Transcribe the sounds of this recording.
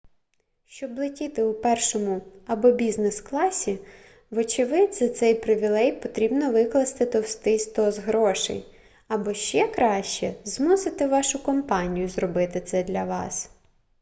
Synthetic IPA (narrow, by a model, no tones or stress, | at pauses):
ʃt͡ʃɔblˠɪtʲit̪ɪupɛrʃɔmʊɐbɔbʲiznesklˠɑsʲi | ʋɔt͡ʃɪʋɪd̪zɐt̪sɛjpɾɪʋʲilˠɛjpɔt̪ɾʲibnɔʋɪklˠɐst̪ɪt̪ɔwst̪ɪst̪ɔzɦɾɔʃɪ̰j | ɐbɔʃt͡ʃɛkɾɑʃt͡ʃɛzmusɪt̪ɪʋɑʃʊkɔmpɑnʲijʊzrɔbɪt̪ɪt̪sɛd̪lʲɐʋɑ̰s